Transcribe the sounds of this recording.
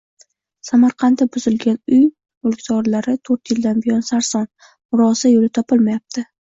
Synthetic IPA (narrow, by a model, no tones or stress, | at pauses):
samaɾqʰɑntd̪abʊz̥ɪlɡʲanʊj | ʊlˠɡʲt̪ɒɾlaɾɪt̪ʰɵɾt̪jɪld̪anbɪjɒnsaɾsɒn | mʊɾɒsajolɪt̪ʰɒpʰɪlˠmajap̚t̪ʰɪ